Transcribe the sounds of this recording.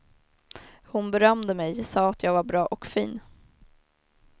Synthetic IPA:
hʊnbɛɾœmd̪əmɛjsɑːat̪ʰjɑːɡvaɾbɾɑːʔɔkfiːn

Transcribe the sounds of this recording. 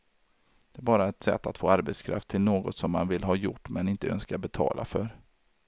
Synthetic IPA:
d̪̥ɛæbɑːɾaɛt̪sɛ̰t̪ːat̪foːaɾbɛt̪skʰɾa̰ft̪ʰːɪlnoːɡɔt̪sɔmːanvɪlɦɑːjʊʈːmɛnɪnt̪əœ̰nskabɛt̪ʰɑ̰ːlʔa̰fœɾ

